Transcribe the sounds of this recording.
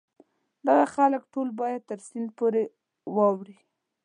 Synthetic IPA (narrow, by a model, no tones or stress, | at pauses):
d̪aɣaxaləkʈolbɑjad̪̚t̪əɾsɪnd̪poɾe | wɑwɾi